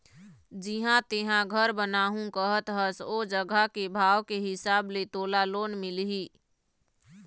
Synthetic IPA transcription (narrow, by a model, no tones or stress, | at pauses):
d͡ʒiɪɦãt̪ɪɦãɡʱəɾbənaːɦũkəɦət̪ɦəsod͡ʒəɡakebʱaːʋkeɦɪsaːblet̪oːlaloːnmɪlɦiː